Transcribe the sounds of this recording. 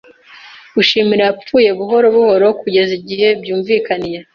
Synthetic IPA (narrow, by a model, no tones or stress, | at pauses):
uʃiːmiɾaap͡fuːje̞βuɦo̞ɾo̞βuho̞ɾo̞kuɟe̞ziɟihe̞bjuːɱviːkanije